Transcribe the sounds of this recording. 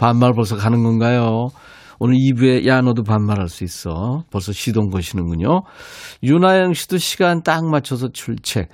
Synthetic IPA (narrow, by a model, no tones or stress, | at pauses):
panmaɾpʌɭs̬ʰʌkanɯnɡʌnɡajo | onɯɭibue̞jʔanʌdopanmaɾɦaɭs͈uis͈ʌpʌɭs̬͈ʰʌɕʰidoŋɡʌɕʰinɯnɡuɲojunajʌŋɕʰi̥doɕʰi̥ɡant͈aŋmat͡ɕʰʌs̬ʰʌt͡ɕʰuɭt͡ɕʰe̞̰